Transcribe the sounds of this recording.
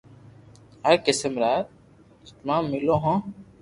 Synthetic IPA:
ɦɐɾkɪsəmɾaːt̪̚ | t̪mãːmːɪloːɦõ

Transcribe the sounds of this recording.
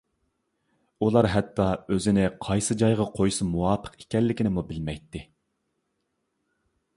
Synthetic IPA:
ulˠɑɾɦɛt̪ʰːɑøzɪnɪqʰɑjsɨd͡ʒɑjʁɑqʰojsɨmuwɑːpʰə̥qi̥kʲʰɛlːɪkʲinɪmubɪlmɛjt̪ʰːɪ

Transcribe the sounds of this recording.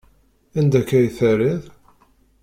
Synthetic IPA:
ænd̪ækːæjθæɾɪð

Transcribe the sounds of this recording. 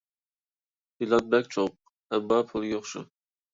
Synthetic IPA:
ilˠɑt̪̚bɛk̚ʲt͡ʃʰoq | æbɑpʰʊlˠjoχʃʊ̰

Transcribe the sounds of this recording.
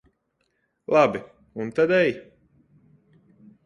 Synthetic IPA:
lˠabi | unt̪ad̪ɛj

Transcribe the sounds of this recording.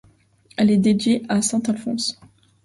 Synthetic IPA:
ɛlɛd̪ed̪ɥeʔasɛ̃t̪alfɔ̰̃s

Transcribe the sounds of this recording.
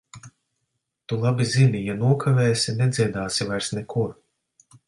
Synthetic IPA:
t̪ulˠabizimijanuɔkʰavʲeːsʲinɛd̪ziɛd̪aːsivajɾsnɛkuɾ

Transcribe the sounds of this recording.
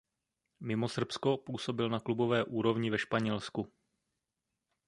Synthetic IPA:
mɪmosr̩psko̞puːso̞bɪlnaklubo̞vɛːʔuːɾo̞vɲɪvɛʃpaɲɛlsku

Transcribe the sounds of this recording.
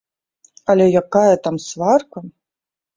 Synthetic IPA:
ɐlʲɛjakajɐt̪amsvarkɐ

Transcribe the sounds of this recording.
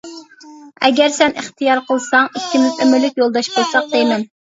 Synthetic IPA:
ɛɡʲɛɾsɛnʔɨχt̪ʰijɑɾqʰəlˠsɑŋikʲʰːimɪzømɪɾlːykʲjolˠd̪ɑʃbolˠsɑq̚d̪ejmɛn

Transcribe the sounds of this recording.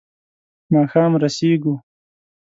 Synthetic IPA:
mɑːxɑːmɾaseːɡu

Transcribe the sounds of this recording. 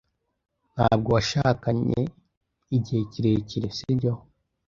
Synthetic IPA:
n̥haːb̚ɡowaʃaːkaɲḛ | iɟeːciɾeciɾesiɟo

